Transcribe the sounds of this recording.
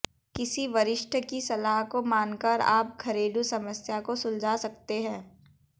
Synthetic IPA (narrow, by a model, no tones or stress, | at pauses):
kɪsiʋɐɾɪʃʈʰəkisɐlaːɦkomaːnkəɾa̰ːp̚kʰɐɾeːɖusɐməsjakosʊld͡ʒʱasɐkt̪eɦɛ̃ː